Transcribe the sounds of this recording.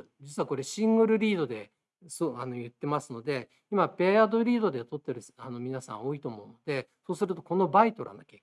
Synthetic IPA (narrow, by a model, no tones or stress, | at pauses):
d͡ʑit͡sɨβako̞ɾe̞ɕĩŋɡɯ̟ɾɯ̟ɾʲiːd̪o̞d̪e̞ | sanojɯ̟t̪ːe̞masɨno̞d̪e̞ | imabe̞ad̪o̞ɾʲiːd̪o̞d̪e̞t̪o̞t̪ːeɾɯ̟sano̞mʲinasã̰o̞ːit̪o̞ːmo̞ɯ̟no̞d̪e̞so̞ːsɨɾɯ̟t̪o̞ko̞no̞bait̪o̞ɾʔã̰nd̪ake